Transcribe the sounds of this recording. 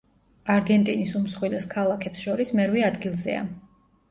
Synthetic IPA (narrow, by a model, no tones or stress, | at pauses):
aɾɡɛnt̪ʼinisumsχwilɛskʰalˠakʰɛpsʃɔɾismɛɾwiad̪ɡilˠzɛ̰a̰